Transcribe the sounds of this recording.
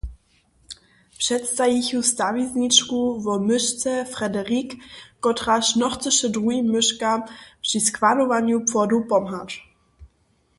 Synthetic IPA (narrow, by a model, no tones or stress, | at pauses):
pʂɛtst̪ajiçust̪avizɲit͡ʃkuvɔmʏʃt͡sɛfʁɛdɛʁikːɔtʁaʃnɔxt͡sɨʃɛdʁuimːʏʂkapʂiskvadɔvaɲjupfɔdupɔmɦat͡ʂ